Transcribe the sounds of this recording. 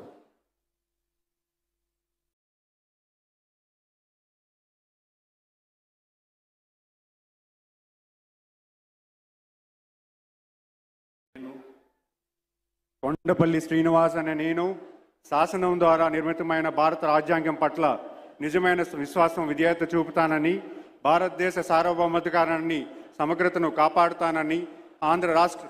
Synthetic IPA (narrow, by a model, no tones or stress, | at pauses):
koɳɖɐpɐlːiʃɾiːniʋaːɾs̬ɐneːneːnu | ʃaːsɐnɐmd̪ʋaːɾaːniɾmit̪ɐmɐjnɐbʱaːɾɐt̪ɐɾaːd͡ʒjaːŋɡjɐmpɐʈlɐnid͡ʒɐmɐjnɐʋiʃʋaːsɐmʋid̪jaːt̪ːɐt͡ʃuːput̪aːnɐni | bʱaːɾɐt̪ɐd̪ɛːʃɐsaːɾʋɐbʱɐmɐd̪ʱɐkaːɾɐnːisɐmɐɡɾut̪ɐnukaːpaːɽut̪aːnɐni | aːnd̪ʱɾɐɾaːʂʈɾɐ